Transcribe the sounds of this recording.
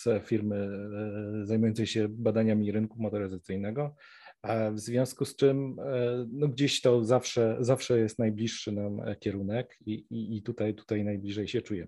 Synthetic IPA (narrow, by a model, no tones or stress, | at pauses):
sfʲiɾmɘ | zajmujɔnt̪sɛjɕɛbad̪aɲamʲiɾɘnkumɔt̪ɔɾɘzat̪sɘjnɛɡɔ | vzvʲjɔ̃skust͡ʂɘm | nɔɡd͡ʑeɕt̪ɔzafʂɛzafʂɛjɛst̪najblʲiʂːɘnamkʲɛɾunɛkiiːt̪ut̪ajt̪u̥t̪ajnajblʲiʐɛjɕɛt͡ʂujɛ